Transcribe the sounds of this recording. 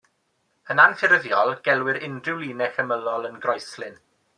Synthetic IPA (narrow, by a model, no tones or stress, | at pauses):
ənanfɪɾəðjɔlˠɡ̥ɛlˠwɪɾɪndrɪwlˠiːnɛxəməlˠɔlˠənɡrɔjslɪn